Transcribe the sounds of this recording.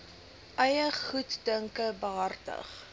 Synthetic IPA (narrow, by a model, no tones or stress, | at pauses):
ʔɐjəχutdəŋkəbəɦɐrtə̰χ